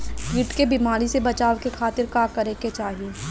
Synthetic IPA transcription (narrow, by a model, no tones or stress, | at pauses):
ɡiʈkebimaːɾisebɐt͡ʃaːʋkekʰaːt̪ɪɾkaːkɐɾeːket͡ʃaːɦie